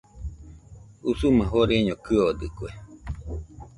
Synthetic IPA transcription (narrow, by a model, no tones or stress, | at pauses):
usumãɦoɾeɲokɨod̪ɨkwe